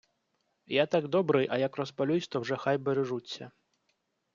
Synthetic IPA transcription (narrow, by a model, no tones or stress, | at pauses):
jat̪aɡd̪ɔbɾɨjʔɐjakrɔspalʲusʲt̪ɔwʐɛxajbɛɾɛʐut͡sʲːɐ̰